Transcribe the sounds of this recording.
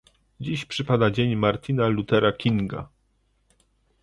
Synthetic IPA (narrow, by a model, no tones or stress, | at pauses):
d͡ʑiɕpʂɘpad̪ad͡ʑeɲmaɾt̪ʲinalut̪ɛɾakʲiŋɡa̰